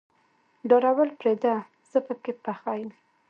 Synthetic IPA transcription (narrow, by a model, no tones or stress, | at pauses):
ɖoɾawəlpɾed̪a | z̥əpəkepːaxɑjəm